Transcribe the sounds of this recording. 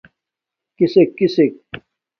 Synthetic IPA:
kisekːisek̚

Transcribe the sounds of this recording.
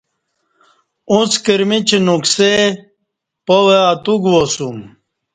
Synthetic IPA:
ut͡skiɾmit͡ɕenukse | poweat̪uɡwosum

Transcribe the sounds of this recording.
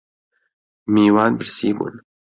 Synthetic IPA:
miːwɑːnbɨɾsiːbṵːn

